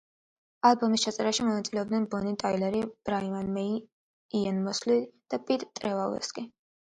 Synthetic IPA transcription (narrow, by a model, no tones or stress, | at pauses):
alˠbɔmist͡ʃʰat̪sʼɛɾaʃimɔnat̪sʼilɛɔb̚d̪nɛnbɔnit̪ʼailɛɾib̥ɾaimanmɛi | ianmɔslid̪̥apʼit̪ʼt̪ʼɾɛvalɛ̰skʼi